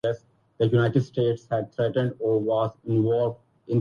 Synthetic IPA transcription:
ɛs | d̪əjunaɪʈeɖsʈeːʈshæɖ̚t̪ʰɾɛʈə̃ɳɖɔːʋɔːzɪ̃nʋɔːlʋɖ | ɪ̃n

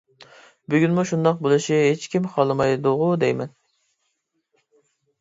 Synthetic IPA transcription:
byɡʲynmuʃund̪ɑq̚bolˠɨʃiɦet͡ʃkʲimχʰɑlˠɨmɑjd̪ʊʁʊd̪ɛjmɛn

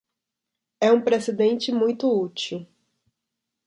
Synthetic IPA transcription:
ɛũpɾesed̪ẽnt͡ʃɪmũj̃t̪ʊut͡ʃiw

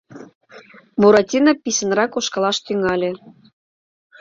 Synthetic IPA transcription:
muɾɑt̪ʲinɑpisʲə̆nrɑkoʃkɑlɑʃt̪yŋɑlʲĕ

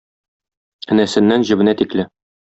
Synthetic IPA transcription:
ɘ̆næsɘ̆nːænʑɘ̆bɘ̆næt̪iklɘ

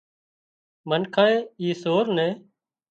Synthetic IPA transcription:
mənkʰaːeːiːsoːɾnɛ̃ː

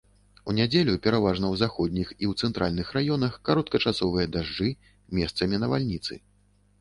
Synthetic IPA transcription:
unʲad͡zʲelʲupʲɛɾavaʐnɐwzaxɔd̪ʲnʲixiwt̪sɛnt̪ɾʔa̰lʲnɨxrajɔnɐxkaɾɔt̪kɐt͡ʂasɔvɨjɐd̪aʐd͡ʐɨ | mʲɛst̪sɐmʲinɐva̰lʲnʲit̪sɨ̰

